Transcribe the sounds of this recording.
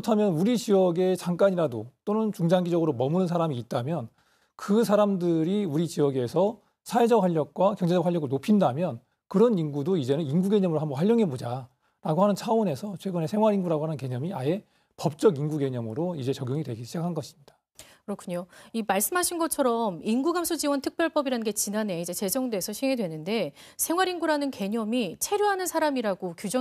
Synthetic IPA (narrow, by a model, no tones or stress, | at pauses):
tʰamjʌnuɾit͡ɕiʌɡe̞t͡ɕaŋk͈aɲiɾadot͈onɯnt͡ɕuŋd͡ʑaŋɡid͡ʑʌɡɯɾomʌmunɯns̬ʰaɾamiːt̚t͈amjʌn | kɯsʰaɾamdɯɾiuɾit͡ɕiʌɡe̞sʰʌ | sʰae̞d͡ʑʌk̚ɸaʎːʌk̚k͈wakjʌŋd͡ʑe̞d͡ʑʌkwaɭjʌɡɯɭnopʰindamjʌn | kɯɾʌninɡudoid͡ʑe̞nɯninɡuɡe̞ɲʌmɯɾoɦambʌnɸwajːʌŋɦe̞bod͡ʑa | ɾaɡoɦanɯnt͡ɕʰaone̞sʰʌt͡ɕʰwe̞ɡɯne̞sʰe̞ŋwaɾinɡuɾaɡohanɯnke̞ɲʌmiae̞ | pʌp̚t͡ɕ͈ʌɡinɡuɡe̞ɲʌmɯɾoid͡ʑe̞t͡ɕʌɡjuŋidwe̞ɡiɕʰid͡ʑakʰanɡʌɕʰi̥mɲid̥ḁ | kɯɾʌkʰuɲoimaɭs͈ɯmɦaɕʰinɡʌt͡ɕʰʌɾʌminɡuɡamsʰud͡ʑiwʌntʰɯk̚p͈jʌɭp͈ʌbiɾanɯnɡe̞t͡ɕinane̞id͡ʑe̞t͡ɕe̞d͡ʑʌŋdwe̞sʰʌɕʰiŋe̞dwe̞nɯnde̞ | sʰe̞ŋwaɾinɡuɾanɯnke̞ɲʌmit͡ɕʰe̞ɾjoɦanɯnsʰaɾamiɾaɡokjud͡ʑʌ